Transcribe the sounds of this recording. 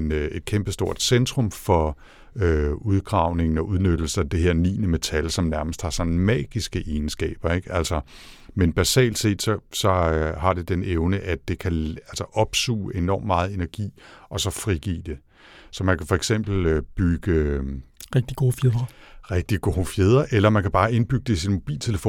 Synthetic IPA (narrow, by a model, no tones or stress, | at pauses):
ene̝d̥̚kʰemb̥əsd̥o̝ɐ̰d̥send̥ʁɔ̽mfɒ̽ | øuð̞ˠɡ̥ʁɑ̈ʊ̰ne̝ŋn̩ɒ̽ʔuð̞ˠnød̥l̩sɐæd̥eɦe̝ɐ̰nḭːnəme̝t͡sʰælsɒ̽mnæɐməsd̥hɑ̈sɒ̽n̩mɛ̰ːɡ̥isɡ̥əʔe̝ːnsɡ̥ɛ̰ːb̥ɐeɡ̥ælsɒ | menb̥æsɛ̰ːld̥se̝̰ːd̥sɒ̽sɒ̽hɑ̈d̥e̝d̥eneʊnəʔæ̥e̝kʰæælsɐʔɒ̽b̥sṵːʔe̝nɒ̰ːmːmɑ̈ːð̞̩ˠe̝næɐɡ̥ḭːɒ̽sɒ̽fʁiɡ̥ḭːd̥e̝ | sɒ̽mænkʰæfɒ̽eɡ̥sem̰b̥l̩øb̥yɡ̥ə | ʁɛɡ̥̚d̥iɡ̥o̝ːfjeðˠʁɐʁeɡ̥̚d̥iɡ̥o̝ːfjeð̞ˠʁɐʔelɐmænkʰæb̥ɑ̈ːe̝nb̥yɡ̥əd̥esinmo̝b̥ḭːlt͡sʰe̝ləfo̰ː